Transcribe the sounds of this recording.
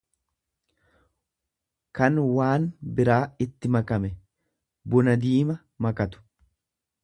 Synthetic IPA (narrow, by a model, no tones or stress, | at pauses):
kɐnwaːnbɪɾaːɪt̪ːɪmɐkɐmɛ | bʊnɐd̪iːmɐ | mɐkɐt̪ʊ̥